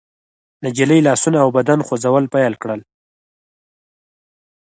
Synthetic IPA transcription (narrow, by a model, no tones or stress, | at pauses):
nad͡ʒiləjlɑsunaːwbad̪anxozawəlpajalkɽəl